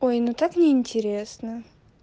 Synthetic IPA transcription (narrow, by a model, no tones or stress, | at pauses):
ojnut̪aknʲɪːnʲtʲɪɾʲesnə